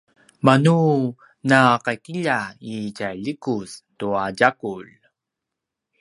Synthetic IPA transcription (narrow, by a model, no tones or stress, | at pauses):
manu | naqakiʎaicaʎikustuaɟakuʎ